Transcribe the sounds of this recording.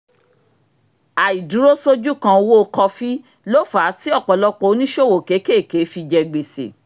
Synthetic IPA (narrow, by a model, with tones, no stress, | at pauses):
a˨i˨du˨˦ɾo˦so˦d͡ʒu˦kã˧wo˦˧kɔ˧fi˦ | lo˦fa˨˦ti˦ɔ˦˨k͡pɔ˨lɔ˦k͡po˦˨˦nĩ˦ʃo˦˨wo˨ke˨˦ke˦˨ke˨˦fi˧d͡ʒɛ˧ɡ͡be˨sḛ˨